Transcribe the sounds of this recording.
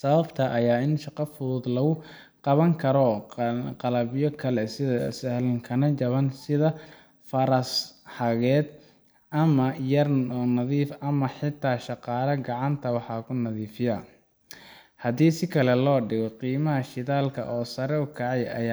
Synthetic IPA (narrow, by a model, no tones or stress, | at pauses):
sɐβɐbt̪ʰɐʔɐjaːɪnʃɑqɑfʊðuːd̪lɐɣʊ | qɑβɐŋkʰɐɾɔ | qɑlɐβɪjɔkʰɐlɛsɪðɐsɐhlɐŋkʰɐnɐt͡ʃɐβɐnsɪðɐ | fɐɾɐsħɑɣɛːd̪ | ʔɐmɐjɐrnɐðiːfɐmɐħɪt̪ʰːaːʃɑqɑːlɐɡɑʕɑnt̪ʰɐwɑħɑːkʰʊnɐðiːfɪjɐː | hɐd̪iːsɪkʰɐlɛlɔːɖɪɣɔqiːmɐɦɐʃɪðaːlkʰɐ̰ʔɔːsɐɾɛʊkʰɑʕɑjɐ̰ja